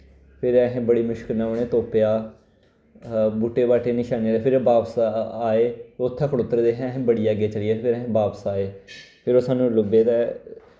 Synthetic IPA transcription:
pʰɪɾɛɦẽːbəɽiːmʊʃkəlnãːoːɽ̃ẽːt̪oːpejaː | buːʈeːbaːʈeːnɪʃaːnːd̪eːpʰɪɾbaːbsaaːeːʊt̪ʰːɛ̃ːkʰəɽoːt̪ɾeːd̪eːɦẽɦẽːbəɽiːaːɡeːt͡ʃəlijeːpʰɪɾəɦẽːbaːpsaːeːpʰɪɾoːsaːnũːlʊbeːt̪ɛː

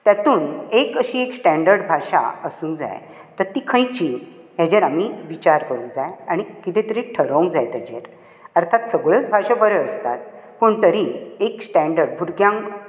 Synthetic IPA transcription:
t̪jat̪uːnekəɕiːeksʈɛ̃ɳɖəɾɖbʱaɕa̰əsũŋkd͡za̰j | t̪əɾt̪iːkʰə̃jt͡ɕĩ | ɦed͡ʑeɾamiʋit͡ɕaɾkəɾũŋd͡zajaɽ̃ikit̪ẽt̪əɾiʈʰəɾəũŋkd͡zajt̪ɛd͡ʑḛɾ | əɾt̪ʰat̪səɡɭət͡sbʱaɕabəɾəəst̪a̰t̪̚pəɳt̪əɾieksʈɛ̃ɳɖəɾɖbʱuɾɡjãŋ

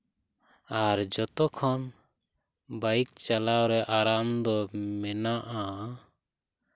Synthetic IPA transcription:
aɾd͡ʒɔt̪ɔkʰɔn | bajk̚t͡ʃalawɾɛʔaɾamd̪ɔmɛnaʔa

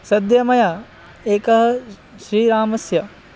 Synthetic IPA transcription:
sɐd̪jɐmɐja | eːkɐɦɐ̆ | ʃɾiːɾaːmɐsjɐ

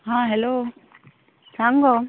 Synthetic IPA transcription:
ɦãːɦɛloː | saːŋɡo

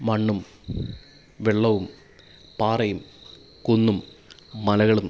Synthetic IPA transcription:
mɐɳːum | ʋeɭːɐʋum | paːrɐjum | kunːumːɐlɐɣɐɭum

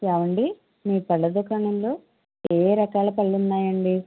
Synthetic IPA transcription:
jaːʋɐɳɖi | miːpɐɭːɐd̪okɾɐɳɐmlo̞ː | eːɾɐkaːlɐpɐɭːunːaːjɐɳɖi

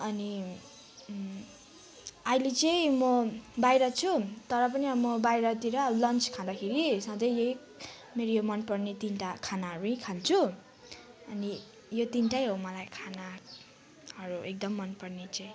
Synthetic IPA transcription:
ʌni | ʌjlet͡sʌj̃mʌbajɾʌt͡sʰut̪ʌɾʌp̬ʌniʌmʌbajɾʌt̪iɾʌlʌnt͡skʰãd̪akʰeɾisãd͡z̪ʌjeik | meɾojomʌnpʌrnet̪inʈakʰanaɦʌɾuĩkʰant͡sʰu | ʌni | jot̪inʈajɦomʌlajkʰana | ʌɾuek̚d̪ʌmːʌnpʌrnet͡sãĩ

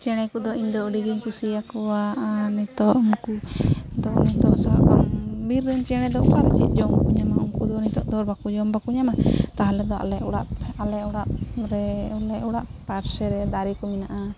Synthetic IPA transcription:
t͡ʃɛɽ̃ɛkɔd̪ɔʔiɲd̪ɔɖiɡiɲkusijakɔwaʔanɛt̪ɔʔumkud̪ɔʔnɛd̪ɔsa̰kɔmbiɾːɛɲt͡ʃɛɽ̃ɛd̪ɔʔṵkaɾɛt͡ʃḭd͡ʒɔmkuɲamaumkud̪ɔnit̪ɔʔd̪ɔɾbakud͡ʒɔmbakuɲamat̪aɦalɛd̪ɔa̰lɛʔuɽaʔalɛɔɽaʔɾɛlɛʔuɽaʔpaɾsɛɾɛd̪aɾikɔminaʔa

